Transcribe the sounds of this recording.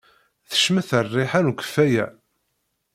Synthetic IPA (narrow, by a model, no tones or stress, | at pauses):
θə̥ʃmæθərˤːɪħanukə̥fːæjæ̰